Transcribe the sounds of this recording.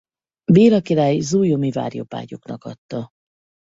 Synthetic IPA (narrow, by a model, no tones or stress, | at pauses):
beːɾɒkiɾaːjzuːjomiva̰ːrjopa̰ːɟoknɒkɒt̪ːɒ